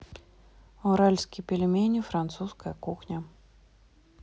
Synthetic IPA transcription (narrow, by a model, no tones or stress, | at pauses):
ɔɾalʲskʲipʲɪlʲɪmʲenʲifɾant̪suskəjɐkuxnʲɐ